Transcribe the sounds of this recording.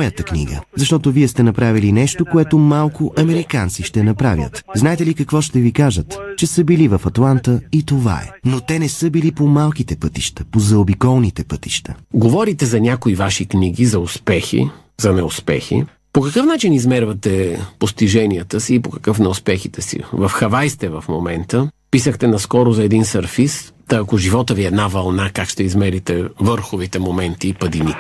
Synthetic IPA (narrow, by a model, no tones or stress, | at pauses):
jət̪əknḭɡə̰zɐʃt̪ɔt̪oviɛst̪ɛnɐpɾavilinɛʃt̪okoɛt̪omalˠkoʔɐmɛɾikant̪siʃt̪ɛnɐpɾavʲjə̰t̪znaɛt̪ɛlikɐkvɔʃt̪ɛvikaʒət̪t͡ʃɛsəbilivɐfɐt̪lˠant̪əit̪ova̰ɛ̰not̪ɛnɛsəbilipomalˠk̟it̪ɛpɤt̪iʃt̪ə̥pozɐobikɔlˠnit̪ɛpɤt̪i̥ʃt̪ʰəɡovɔɾit̪ɛzɐnʲakoivaʃikniɡizɐʊspɛxḭ | zɐnɛʊspɛ̰xḭ | pokɐkɤfnat͡ʃinizmɛɾvɐt̪ɛpost̪iʒɛnijət̪əsiːpokɐkɤfnɛʊspɛxit̪ɛsḭvɐfxɐvajst̪ɛvɐfmomɛnt̪əpisəxt̪ɛnɐskɔɾʊzɐɛd̪insɐɾfis | t̪ɐːkoʒivɔt̪əviɛd̪navɐlˠnakakʃt̪ɛizmɛɾit̪ɛvɤɾxovit̪ɛmomɛnt̪iːpəd̪ini